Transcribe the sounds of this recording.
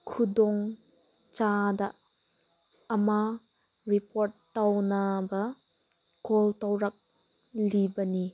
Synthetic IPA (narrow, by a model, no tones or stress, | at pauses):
kʰudɔŋ | t͡ʃadɐ | ma | ɾipoɾtːawnɐbɐ | koltawɾɐk̚ | libɐni